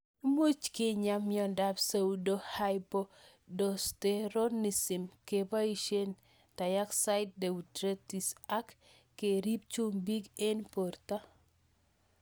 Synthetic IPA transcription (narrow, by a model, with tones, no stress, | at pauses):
mu˦t͡ʃkɪ˦ɲa˦mjɔ˨nda˦bsa˦udo˦hajpo˦ | dɔ˨steɾo˦ni˨sɪ˨mkeba˦i˦ʃe˦n | ta˨ja˦ksaɪt̚de˨utɾe˦ti˨sa˦k | kːe˨ɾi˦p̚t͡ʃu˦mbi˦ɡe˦npo˨rta˦